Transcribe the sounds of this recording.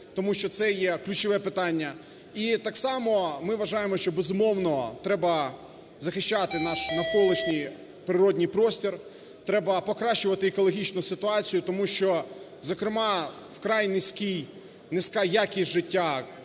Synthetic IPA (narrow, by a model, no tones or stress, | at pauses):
t̪ɔmuʃt͡ʃɔt̪sɛjɛklʲʉt͡ʃɪʋɛpɪt̪ɑnʲːɐ | it̪ɑksɑmɔmɪʋɐʒɑjemɔʃt͡ʃɔbezʊmɔwnɔt̪ɾɛbɐ | zɐxɪʃt͡ʃat̪ɪnɑʃnɐkɔlˠɪt͡ʃnʲij | pɾɪɾɔdʲnʲijpɾɔsʲtʲir | t̪ɾɛbɐpɔkɾɑʃt͡ʃʊʋɐt̪ɪːkɔlˠɔɦʲit͡ʃnʊsɪt̪ʊɑt͡sʲijʊt̪ɔmuʃt͡ʃɔ | zɔkɾɪmɑ | wkɾɑjnɪsʲkʲij | nɪsʲkɑjakʲisʲʒɪtʲːa